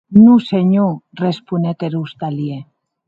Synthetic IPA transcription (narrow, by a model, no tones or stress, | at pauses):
nuseɲurespunet̪eɾust̪alie